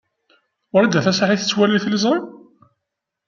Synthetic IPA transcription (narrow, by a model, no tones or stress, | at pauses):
ʊɾæd̪æθæsaħiθət͡sːwæliθləzˤɾˤim